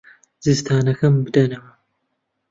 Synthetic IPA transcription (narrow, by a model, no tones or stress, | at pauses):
z̥ɨzt̪ʰaːnɐxɐmbɨd̪ɐnɐmɐ